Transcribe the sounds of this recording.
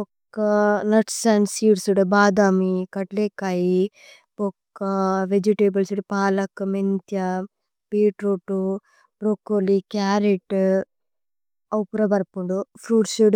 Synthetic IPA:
ɔkːɐnɐʈsɐnsiːɖsuɽbaːd̪aːmikɐʈleːkɐji | pokːɐʋed͡ʒiʈeːbɐlsuɽipaːlɐkɐment̪jɐ | piːʈɾoːʈu | pɾokolikaːɾeʈ | ɐwpuɾɐbɐɾpuɳɖupʰɾuːɖsuɽ

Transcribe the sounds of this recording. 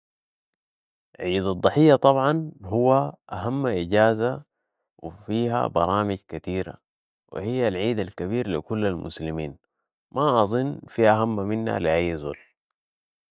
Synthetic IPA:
ʕiːd̪ɑd̪ˤːɨħijːɑt̪ˤɑbʕɑnɦuwaʔaɦamːaʔiɟaːza | wḭfiːɦa̰bɑɾˤɑːmiɟkat̪iːɾa̰ | wḭhijːalʕiːd̪alkaβiːɾlikulːalmʔʊ̰slimiːn | maʔɑzˤɨnːfiːʔaɦamːaminːa̰liʔajːzṵːl

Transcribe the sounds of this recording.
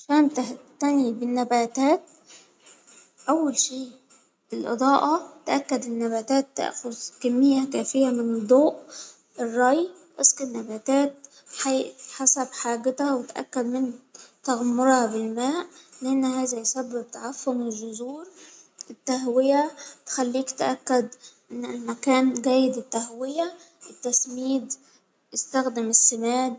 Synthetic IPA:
aʃæːnt̪æht̪ænibɪnːæbæːt̪æːt̪̚ | ʔæwːælʃiː | ʔelʔɑ̰d̪ˤɑːʔɑt̪ʔækːæd̪ɪnːæbæːt̪æːt̪ːæ̰ʔxozkæmːɪjːækæːfejæmɪnd̪ˤoːʔ | ʔerˤːɑj | ʔesˤqenːæbæːt̪æːt̪̚ | ħaħasæbħaːɡɪt̪æwet̪ʔæ̰kːæd̪mɪnt̪aɣamːoɾhɑbɪlmæːʔleʔenːhæːzæjsæbːɪb̚t̪aʕafːʊmelʒʊzuːɾ | ʔɪt̪ːæɦwɪjæt̪e̥xælːiːkt̪ʔækːæd̪ʔɪnːɪlmækæːnɡæːjɪd̪ɪt̪ːæhwɪjæ | ʔɪt̪ːæsmiːd̪ | jest̪æxd̪ɪmɪsːemæːd̪

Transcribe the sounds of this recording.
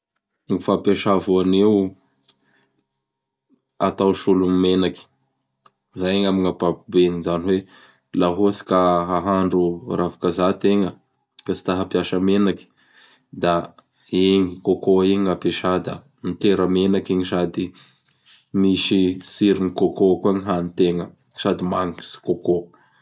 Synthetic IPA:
ŋifapjaʃavuanew | a̰t̪awʃulumimenaki̥ | zajeŋamiŋapapubenizaniwe | laɦosi̥kaɦaɦaɳɖ͡ʐurafḁkazat̪eŋə | kat͡si̥t̪aɦapiaʃəmenaki̥ | d̪a | eŋikokoeɲiŋapeʃad̪a̰ | mit̪eɾəmenakeŋiʃad̪i | miʃisiɾinikokokuaŋiɦanit̪eŋə | ʃad̪imaŋiki̥si̥koko

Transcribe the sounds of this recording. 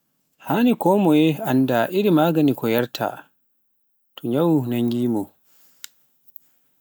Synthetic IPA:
haːnikɔːmɔjɛandaʔiɾimaːɡanikɔjaɾtʰa̰ | tʰɔɲawunaŋɡiːmɔ

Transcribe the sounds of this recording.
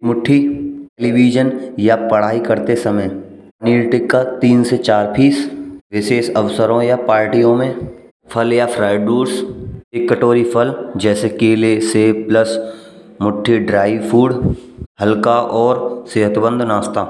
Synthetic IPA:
mʊʈʰːiʈeliʋiːd͡ʒənjapɐɽ̤aːikɐɾt̪esɐməj | niʈɪkːat̪iːnset͡ʃaːɾpʰiːsʋɪʃeːsɐʋsəɾõjapaːɾʈijõmẽ | pʰəljafʰɾaːɪɖɖuːɾsʈɪkːəʈoːɾipʰəld͡ʒɛːsekeleseːpləs | mʊʈʰːiɖɾaːiʋfʰuːɖhɐlkaʔɔːɾseːɦət̪bə̃nd̪ʱnaːst̪aː

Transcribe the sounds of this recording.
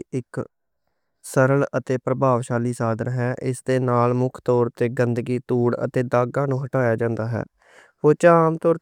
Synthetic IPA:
ɪk | səɾələt̪eːpɾəbʱaːʋʃaːliːsaːd̪əɾɦɛːʔɪsd̪eːnaːlmʊkʰt̪ɔːɾt̪eːɡənd̪ɡiːt̪uːɽə̰t̪eːd̪aːɡãːnũːɦəʈaːjaːd͡ʒãːnd̪aːɦɛ̰ː | poːt͡ʃaːmt̪ɔːɾ

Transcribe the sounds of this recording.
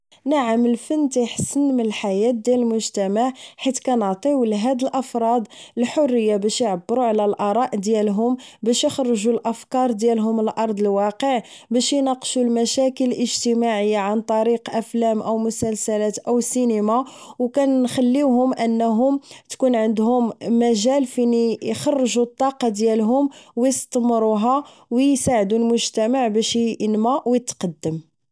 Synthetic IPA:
naʕəməlfənːt̪iħsənmənəlħajæt̪̚d̪jæləlmʊʒt̪æmaʕħit̪kænəʕt̪ˤiwlɦæd̪əlʔɑfɾˤɑd̪ˤəlħorːəjːabæʃjʕəbːɾuʕlælʔɑɾˤɑʔd̪jælɦʊmbæʃjəxɾˤʒulʔəfkɑɾˤd̪jælɦʊməlʔɑɾˤd̪ˤəlwɑqəʕ | bæʃjnɑqʃulmæʃækələlʔəʒt̪əmaʕəjːaʕant̪ˤɑɾiqʔæflæmʔəwmʊsælsælæt̪ʔəwsinimawkænːxælːiwɦʊmʔənːɦʊmt̪kunʕənd̪hʊmːæʒælfinijxɑrˤːʒut̪ˤːɑqɑd̪jælɦʊmwjəst̪mɾˤuɦɑ | wjjsaʕd̪ulmʊʒt̪æmaʕbæʃənmæʔwjət̪ːqɑd̪ːəm

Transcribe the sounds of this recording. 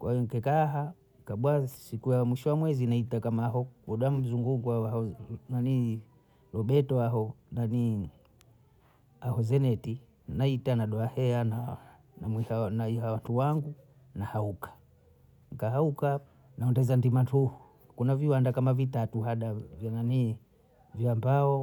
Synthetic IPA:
kwʔaiɔŋ̩kɛkaɦa | kaɓwasikujamwiʃɔwamwɛzinaitakamaɦɔɔɗwam̩zuŋɡuɡuaanani | lɔɓɛtɔaɦɔnani | ahɔzɛnɛti | naitanaɗɔahɛana | namwihanaiɦawatuwaŋɡu | nahaukḁ | ŋkahauka | naɔndɛzandimatuhu | kunaviwandakamavitatuɦaɗavjanani | vjambaɔ

